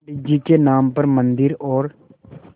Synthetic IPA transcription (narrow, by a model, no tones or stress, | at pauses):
ɪd͡ʒikenaːmpɐɾmə̃nd̪ɪɾɔːɾ